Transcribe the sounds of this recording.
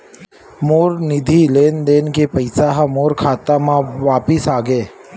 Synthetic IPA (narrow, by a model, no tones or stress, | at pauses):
moːɾnɪd̪ʱileːnd̪eːnkepɐɪsaɦamoːɾkʰaːt̪amãʋaːpɪsaːɡeː